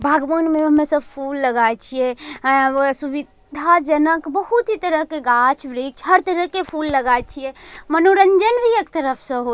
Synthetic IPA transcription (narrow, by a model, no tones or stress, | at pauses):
bʱaɡʋənmeəmesəb̚pʰulːəɡajt͡ʃʰijɛ | subid | d̪ʱad͡ʒənəkbəɦut̪ɦit̪əɾəɦkeɡat͡ʃʰbɾek̚t͡ʃʰɦəɾt̪əɾəkepʰulːəɡajt͡ʃʰiɛmənoɾəɲd͡ʒənbʱiekt̪əɾəpʰsə̃ɦo